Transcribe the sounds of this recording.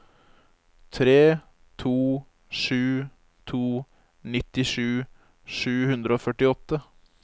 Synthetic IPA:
t̪ʰɾeː | t̪ʰuː | ʂʉː | t̪ʰuː | nɪt̪ːɪʂʉː | ʂʉːhʉnd̪ɾəoːfœʈɪɔt̪ːə

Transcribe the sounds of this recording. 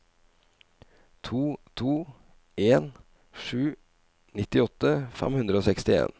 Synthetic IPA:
t̪ʰuːt̪ʰuː | ʔeːn | ʂʉː | nɪt̪ɪɔt̪əfɛ̰mhʉnd̪ɾəoːsɛkst̪ɪḛːn

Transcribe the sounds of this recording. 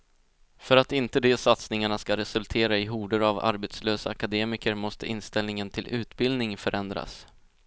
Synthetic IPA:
fœɾat̪ɪnt̪əd̪ɛsat̪snɪŋaɳaskaɾɛsɵlt̪ʰeːɾaɪɦuːɖəɾava̰ɾbet̪sløːsaːkad̪eːmɪkəɾmɔst̪əɪnst̪ɛlnɪŋənt̪ʰɪlʔʉ̟ːt̪bɪld̪nɪŋfœɾʔɛnd̪ɾa̰s

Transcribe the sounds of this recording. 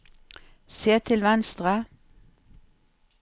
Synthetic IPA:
seːt̪ʰɪlʋɛnst̪ʁə

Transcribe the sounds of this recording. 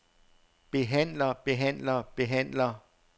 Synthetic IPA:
b̥e̝ɦæn̰lɐb̥e̝ɦæn̰lɐb̥e̝ɦæn̰lɐ

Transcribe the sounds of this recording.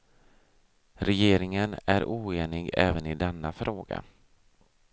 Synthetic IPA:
ɾɛjeːɾɪŋənæɾuːeːnɪɡɛːvənɪd̪ɛnːafɾʔoːɡa̰

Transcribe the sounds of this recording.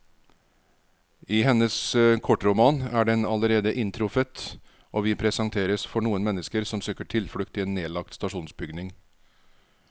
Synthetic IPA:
ɪːhɛnəskʰɔʈɾʊmɑːnæɖɛnɑləɾeːd̪əʔɪnt̪ʰɾʊfət̪ | ʔoːʋɪpʰɾɛsɑŋt̪ʰeːɾəsfɔɳuːənmɛnːəskəɾsɔmsøːkəʈʰɪlfɽʉkt̪ɪeːnːeːlɑk̚t̪st̪ɑʂuːnsbʏɡnɪŋ

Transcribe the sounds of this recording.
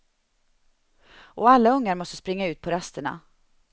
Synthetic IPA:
ʔɔːalːaɵŋːaɾmɔst̪əspɾɪŋːaʉ̟ːt̪̚pʰɔɾast̪əɳa̰

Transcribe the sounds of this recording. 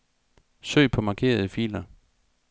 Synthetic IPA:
sø̰ːɪpʰɒ̽mɑ̈ːkʰe̝̰ːɐðˠəfilɐ

